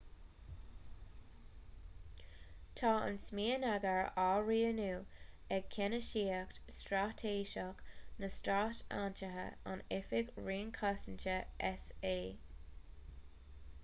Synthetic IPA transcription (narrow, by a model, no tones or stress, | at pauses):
tʰɑːə̰nsmiːənaɡəɹaːɹiːənuːɛɡ̚kʰɛnəʃiːəktstɾaːtʰeːʃɑknəstɾata̰ːnt͡ʃəɦə̰a̰nɪfɪɡɹiːnkʰasɪnt͡ʃəʔɛseː